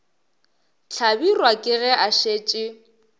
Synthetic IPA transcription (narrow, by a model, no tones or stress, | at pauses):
t͡ɬʰabirwakʼɪɣɛʔaʃeːt͡ʃʼɪ